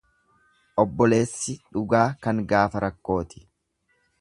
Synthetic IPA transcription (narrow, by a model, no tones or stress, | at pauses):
ʔɔbːɔle̞ːsːɪᶑʊɡaːkɐŋɡaːfɐɾɐkːo̞ːt̪ɪ̥